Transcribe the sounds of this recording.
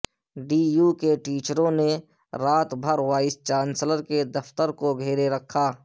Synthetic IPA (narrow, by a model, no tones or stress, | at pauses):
ɖiːjuːkeʈiːt͡ʃɾõne | ɾaːt̪bʱəɾwaːɪst͡ʃaːnsləɾked̪ɐft̪əɾkoɡʱeːɾeɾəkʰːaː